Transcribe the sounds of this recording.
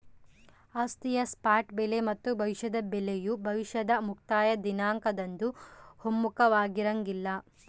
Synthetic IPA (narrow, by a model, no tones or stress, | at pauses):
aːst̪ijɐspaːʈbelemɐt̪ːubʱɐʋiʃɐd̪ɐbelejubʱɐʋiʃɐd̪ɐmukt̪aːjɐd̪inaːŋkɐd̪ɐnd̪uhomːukɐʋaːɡiɾɐŋɡilːɐ